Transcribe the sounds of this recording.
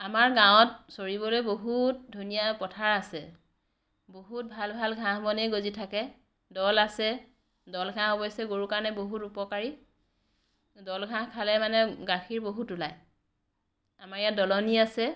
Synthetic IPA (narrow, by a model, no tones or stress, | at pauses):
amaɹɡãwɔt̚soɹiβɔlojboɦut̚dʱunijapɔtʰaɹasɛ | boɦut̚bʱalbʱalɡʱãɦmɔneɡozitʰakɛ | dɔlasɛ | dɔlɡʱãɦɔbɔjsɛɡoɹukaɹnɛboɦutupɔkaɹi | dɔlɡʱãɦkʰalɛmanɛɡaxʰiɹboɦutulaj | amaɹjadɔlɔniasɛ